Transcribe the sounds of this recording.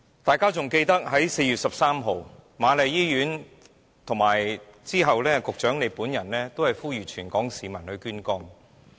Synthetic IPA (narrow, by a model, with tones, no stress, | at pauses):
t̪aː˨˩jkaː˥t͡sʊ˨ŋke˧jt̪ɐ˥k̚ɦɐ˨˥jse˧jyː˨t̚sɐ˨p̚saː˥mɦo˨wmaː˨˧le˨˧jjiː˥jyː˨˥n | t̪ʰʊ˨˩ŋmaː˨˩jt͡siː˥ɦɐ˨wlɛː˥kʊ˨k̚t͡ʃœː˨˥ŋle˨˧puː˨˥njɐ˨˩nlɛː˥t̪o˥whɐ˨˩jfuː˥jyː˨t͡ʃʰyː˨˩nkɔː˨˥ŋsiː˨˧mɐ˨˩nhɵ˧kyː˥nkɔː˥ŋ